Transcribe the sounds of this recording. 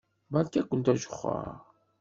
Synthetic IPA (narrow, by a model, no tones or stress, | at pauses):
bælkækʷːənt̪æʒə̥χːə̰ɾ